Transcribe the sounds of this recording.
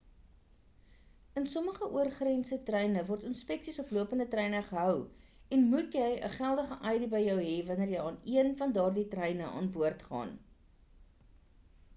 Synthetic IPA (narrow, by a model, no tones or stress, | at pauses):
ənsɔməχəʔuərχrɛnsətrɛjnəvɔrtənspɛksisɔpluəpəndətrɛjnəχəɦœwɛnmutjəjə̰χælˠdəχəʔɐjdəbəjjœwɦɛvɐnərjəjɑːniənfɐndɑːrditrɛjnəʔɑ̰ːnbuərtχɑ̰ːn